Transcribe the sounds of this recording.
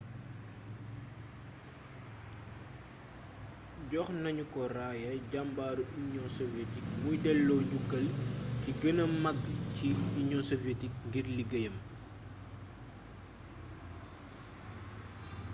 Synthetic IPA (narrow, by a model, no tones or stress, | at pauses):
ɟɔxnɐɲukɔraːjɛɟambaːɾuʔiɲɔsɔvjetik̚mujdɛlːɔːɟuɡːɐlkiɡənɐmɐɡciiɲɔsɔvetik̚ŋɡirliɡɐjɐm